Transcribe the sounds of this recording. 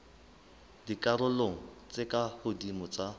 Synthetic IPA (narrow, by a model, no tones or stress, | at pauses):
dikʼarʊloŋ̩t͡sʼekʼahʊdimʊt͡sa